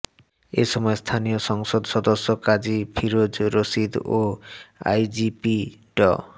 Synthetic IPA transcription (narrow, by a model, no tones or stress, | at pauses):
ḛʃɔmɔest̪ʰanijoʃɔŋsod̪ʃɔd̪oʃːokad͡ʑipʰiɾod͡ʑɾosid̪oa̰jd͡ʒipiʈɔ̰